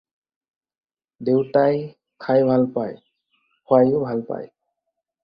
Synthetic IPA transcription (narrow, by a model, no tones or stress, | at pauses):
dewtaj | kʰajbʱalpa̰j | hʊajʊbʱalpa̰j